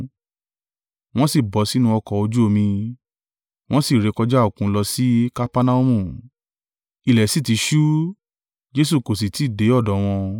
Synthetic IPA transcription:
w̃ɔ̃˦si˦˨bɔ˨˦si˦nũ˧ɔ˧kɔ˨o˧d͡ʒu˦o˧mĩ˧ | w̃ɔ̃˦si˦˨ɾe˨˧˦kɔ˧d͡ʒa˦o˦˨kũ˧˦˧lɔ˧si˦ka˦pa˦na˦u˦mũ˦˨ | i˨lɛ˨si˦˨ti˨˧˦ʃu˦ | d͡ʒe˦s̬u˦˨ko˨s̬i˨ti˨˦˨de˨˦ɔ˦˨dɔ˨˦w̃ɔ̃˧

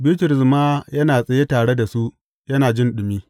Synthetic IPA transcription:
bɪː˦tʊ˨ɾɪ˨smaː˦jɐ˦naː˨sʼɐ˨je˦taː˨ɽe˦da˨su˦ʔ | jɐ˦naː˨d͡ʒɪ˦nɗʊ˨miː˦

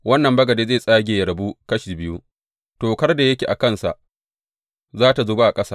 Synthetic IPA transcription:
wɐ˦nːɐ˨mbɐ˦ɡɐ˨deː˦zeː˦˨sʼaː˦ɡʲeː˨jɐ˨ɾɐ˨bu˦kɐ˦ʃi˨bɪ˦ju˦ | toː˨kɐ˦rda˨jɐ˦kʲeː˨ʔa˨kɐ˦˨nsa̰˨ʔ | zaː˦ta˨zoː˦ba˦ʔa˨kʼɐ˦saː˦

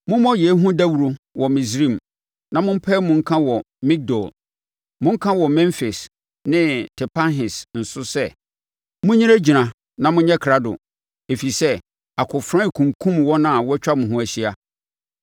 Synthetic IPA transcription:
mʊ̃˦mɔ̃˦jɛ˨˦ɦũ˦dæ˦wu˨ɾo˦wɔ˨mĩ˨sɾĩ˦˨m | nã˨mʊ̃˦m̩˦pʰɛ˦mʊ̃˦ŋ̩˦kʰã˦wɔ˨ | mĩ˦k̚dɔ˨l | mʊ̃˦ŋ̩˦kʰã˦wɔ˨mɛ̃˦fe˨s | nɪ̃˦tʰɛ˨pʰa˦nɦɪ˨sn̩˨sʊ˦sɛ˦ | mʊ̃˦ɲĩ˦ɾæ˦d͡ʑi˨nã˨ | nã˨mʊ̃˦ɲɛ˦kʰɾa˦dʊ̰˨ | e˨fi˨sɛ˦ | a˨kʰʊ˨fɾã˦˨kʰũ˨ŋkʰũ˦mwɔ̃˦nã˦a˨wɔ˦t͡ɕᶣa˦mʊ̃˨ɦʊ̃˦æ˨ɕi˦a˨

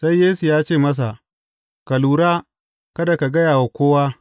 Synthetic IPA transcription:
sa˦jːeː˦su˨jaː˦t͡ʃeː˦˨mɐ˦s̬a˨ | ka˨luː˨ɾaː˦ | kɐ˦da˨ka˨ɡɐ˦jaː˨wa˨kʷoː˦waː˦

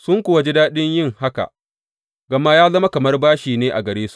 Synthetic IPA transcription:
sʊ˦ŋkʷʊ˦˨wa˨d͡ʒɪ˦daː˦ɗɪ˦ɲjɪ˦ŋha˦ka̰˨ʔ | ɡɐ˨ma˦jaː˦zɐ˦ma˦kɐ˨mɐ˦rbaː˦ʃiː˨neː˦ʔa̰˨ɡɐ˨ɾeː˦su̥˦ʔ

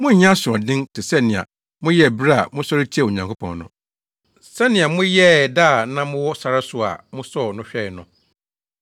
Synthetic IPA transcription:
mʊ̃˦ɲ̩˨ɲ˦ã˦sʊ˨ɔ̃˨dɪ̃˦ntʰɪ˨sɛ˦nɪ̃˨a̰˨ | mʊ̃˦jɛ˦˨bɾa˦a˨mʊ̃˦sɔ˦ɾɪ˦t͡ɕʰi˦ɛ˦˨o˨ɲã˨ŋkʰo˦pʰɔ̰̃˨nnʊ̰̃˨ | sɛ˦nɪ̃˨a˨mʊ̃˦jɛ˦˨da˦˨nã˦mʊ̃˦wɔ˦sa˨ɾa˦sʊ˦a̰˨mʊ̃˦sɔ˦˨nʊ̃˦ɕᶣɛ˦˨ɪ˨nʊ̃˨

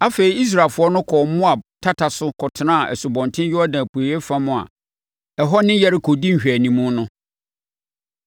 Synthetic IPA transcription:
a˦fe˨i˨i˦s̬ɾaː˨fʊ˨˦ɔ˦nʊ̃˦kʰɔ˨mʊ̃˦a˨tʰa˦tʰa˨sʊ˦kʰɔ˨tʰɪ˨nã˦a˨ʔɛ̰˨sʊ˨bɔ̃˨ntʰɪ̃˦n˦jʊ˦ɔ˦nã˨pʰu˨e˨jɛ˦fã˦mʊ̃˨a̰˨ | ɛ˨ɦɔ˦nɪ̃˦jɛ˦ɾɪ˦kʰo˨dĩ˦ŋ̩˨ɕᶣæ˨nĩ˨mũ˦nʊ̃˦

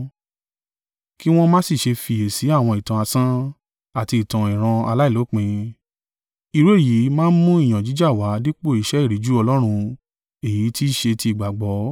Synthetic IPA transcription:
ki˦w̃ɔ̃˦mãː˦si˦˨ʃe˧fi˧e˨si˨˦a˦˨w̃ɔ̃˧i˨tã˨a˧sã˦ | a˦˨ti˧i˨tã˨ĩ˨ɾ̃ã˧a˧la˦i˦˨lo˨˦k͡pĩ˧ | i˧ɾu˨˦e˦˨ji˨˦mãː˦n̩˦mũ˦i˦˨j̃ã˨d͡ʒi˨˦d͡ʒa˦˨wa˨˦di˦k͡po˦˨i˨˧ʃɛ˦i˦˨ɾi˨˦d͡ʒu˦ɔ˧lɔ˦ɾ̃ũ˧ | e˨ji˨˦ti˦˨ʃe˧ti˧i˨ɡ͡ba˨ɡ͡bɔ˨˦

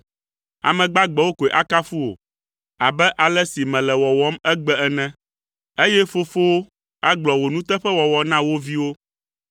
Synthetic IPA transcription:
a̰˨mɛ̃˨ɡ͡ba˦ɡ͡bɛ˨wo˦ko˨e˨ʔa˦ka˦fu˦wo̰˨ | a˨bɛ˦ʔa˨lɛ˦si˨mɛ̃˨lɛ˨wɔ˨wɔ˦mɛ˦ɡ͡bɛ˦ɛ˨nɛ̃˦ | e˦jɛ˦fo˦fo˦wo˦ | a˦ɡ͡blɔ˨wo˨nũ˦t̪ɛ˦ɸɛ˦wɔ˨wɔ˨nã˦wo˦vi˦wo˦

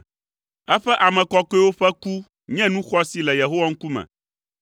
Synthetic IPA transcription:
ɛ˦ɸɛ˦ʔa˨mɛ̃˨kɔ˦kɔ˦e˦wo˦ɸɛ˦ku˦ | ɲɛ̃˦nũ˦xɔ˦si˦lɛ˨je˨ɦo˦wa˦ŋ̩˦ku˦mɛ̰̃˨

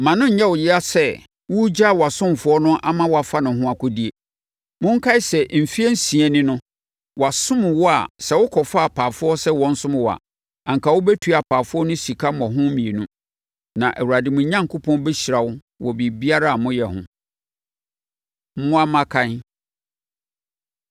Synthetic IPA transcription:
mã˨nʊ̃˦ɲ̩˨ɲɛ˦wʊ˨jɪ˦a˦sɛ˦˨ | wʊ˦d͡ʑa˦˨wɔ˨a˨sʊ̃˦m˨fʊ˦ɔ˦nʊ̃˦ʔa˦mã˦wɔ˨a˨fa˦nʊ̃˨ɦʊ̃˦a˨kʰʊ˦di˦e˨ | mʊ̃˦ŋ̩˦kʰa˦ɪ˦sɛ˨m̩˨fi˦ɛ˦n̩˦sĩ˨ɛ˨nɪ̃˦nʊ̃˦ | wɔ˨a˨sʊ̃˦m˨wɔ˦a̰˨sɛ˦wʊ˦kʰɔ˨fa˦a˨pʰaː˨fʊ˦ɔ˦sɛ˦wɔ̃˨n̩˦sʊ̃˦m˨wɔ˨a̰˨ | ã˨ŋ̩˨ka˨wʊ˦bɛ˦tʰu˨a˨pʰaː˨fʊ˦ɔ˦nʊ̃˦si˨kʰa˦mɔ̃˨ɦʊ̃˦mĩ˨e˨nũ˦ | nã˨ʔæ˨wu˨ɾa˨dɪ˨mʊ̃˨ɲã˦ŋkʰʊ˦pʰɔ̃˦nbɛ˦ɕɾa˨wʊ˦ | wɔ˨bi˨bi˦a˦ɾa˦a˨mʊ̃˦jɛ˨hʊ̰̃˦ | mʊ̃˦a˦mã˦kʰã˦n˦

